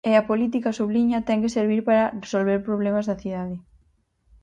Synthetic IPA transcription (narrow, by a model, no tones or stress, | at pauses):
eɐpolit̪̬ikɐsuβliɲɐt̪ɛŋkeseɾβ̞iɾpaɾɐresolβeɾpɾoβlemazðɐθiðaðɪ